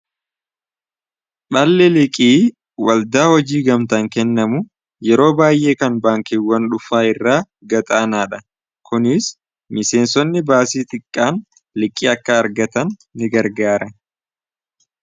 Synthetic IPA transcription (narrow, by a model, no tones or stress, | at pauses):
ɓɐlːɛlɪkʼiː | wɐld̪aːhɔd͡ʒiːɡɐmt̪ɐŋkɛnːɐmʊ | jɛɾo̞ːbaːjʔe̞ːkɐnbaːŋkɪwːɐnᶑʊfaːɪrːaː | ɡɐt̪ʼaːnaːᶑɐ | kʊnɪs | mɪse̞ːnsɔnːɪbaːsiːt̪ɪkʼːaːn | lɪkʼːiːɐkːɐːɾɡɐt̪ɐnːɪɡɐɾɡaːɾɐ